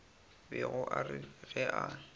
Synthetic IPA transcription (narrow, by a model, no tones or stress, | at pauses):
bɪɣʊʔarɪɣɛʔa